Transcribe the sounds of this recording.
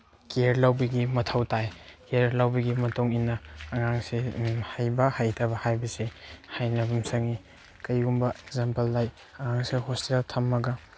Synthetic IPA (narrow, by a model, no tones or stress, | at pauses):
keɾlawbɐɡimɐtʰɐwtajkeeɾlawbɐɡimɐtoŋinːɐːŋaŋsihajbɐhajtʰɐbɐhajbɐsehajnɐbumsɐŋi | kɐjɡumbɐeɡzampɐlːaj | ɐŋaŋsihostitaltʰɐmːɐɡɐ